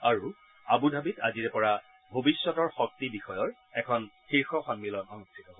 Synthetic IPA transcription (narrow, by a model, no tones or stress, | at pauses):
aɹu | abudʱabita̰ziɹɛpɔɹa | bʱobisːɔtɔɹxɔk̚tibixɔjɔɹ | ɛkʰɔnxiɹxɔxɔnmilɔnɔnustʰitɔbɔ